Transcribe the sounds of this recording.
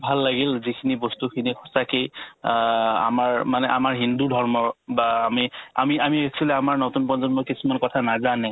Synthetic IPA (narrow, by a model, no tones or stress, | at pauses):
bʱalːaɡilzikʰinibɔstukʰinixʰɔ̥saki | a̰maɹmanɛʔamaɹɦindudʱɔɹmɔbaːmia̰miamieksʰɔlɛamaɹnotunpɔnzɔnmɔkisumankɔtʰanazanɛ